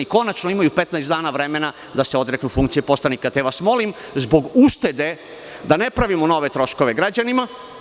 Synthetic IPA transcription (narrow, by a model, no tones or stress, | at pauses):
iko̞nat͡ʃnoimajupe̞t̪najst̪d̪aːnaʋɾeme̞na | d̪aseo̞d̪ɾeknufuŋkt̪sijepo̞sanikat̪eʋasmo̞lim | zbo̞ɡuʃt̪e̞d̪e̞ | d̪ane̞pɾaʋimono̞ʋe̞t̪ɾo̞ʃko̞ʋeɡɾad͡ʑanima